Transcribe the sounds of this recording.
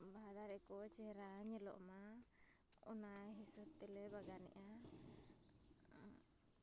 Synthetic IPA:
baad̪aɾɛkɔt͡ʃɛɾaɲɛlɔ̰ʔma | ɔnaɦisɔt̪ɛlɛbaɡanḭʔa

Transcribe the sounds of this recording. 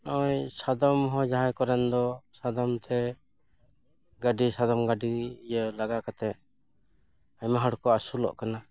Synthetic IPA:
nɔjsad̪ɔmɦɔ̃d͡ʒaɦajkɔɾɛnd̪ɔsad̪ɔmt̪ʰɛ | ɡaɖisad̪ɔmɡaɖijəlaɡakat̪ɛ | aɲmaɦəɽkɔasulɔ̰ʔkana

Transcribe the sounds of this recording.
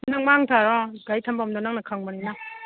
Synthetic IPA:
naŋmaŋtʰaɾɔɡajtʰambamdɔnaŋnakʰaŋmaɾina

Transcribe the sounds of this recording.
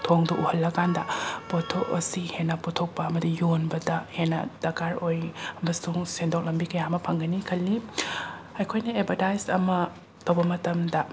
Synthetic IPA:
tʰoŋduʔuhɐlːɐkandɐpotʰokɐ̰sihenːɐpɔtʰok̚pɐɐmɐdijonbɐdɐhenːɐ̰d̥ɐkaɾojɐmɐsuŋsendok̚lɐmbikɐjamɐpʰɐŋɡɐnikʰɐlːi | ɐjkʰojnɐebʰʱɐtajsɐmɐ | tɐwbɐmɐtɐmdɐ

